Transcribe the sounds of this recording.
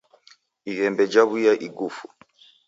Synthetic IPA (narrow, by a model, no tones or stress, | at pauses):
iɣɛmbɛd͡ʒaβujaʔiɡufu